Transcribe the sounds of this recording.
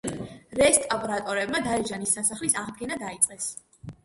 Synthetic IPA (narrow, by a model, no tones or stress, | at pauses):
ɾɛst̪ʼapʼɾat̪ʼɔɾɛb̚mad̪aɛd͡ʒanisːasaχlisaʁd̪ɡɛnad̪ait̪sʼqʼɛs